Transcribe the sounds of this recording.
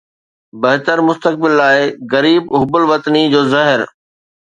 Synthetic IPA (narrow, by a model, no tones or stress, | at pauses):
bɐɦɪt̪əɾmʊst̪ək̚bɪlːaːɪɣɐɾiːbʊɦʊbəlʋɐt̪nid͡ʑoːzɐɦɪɾ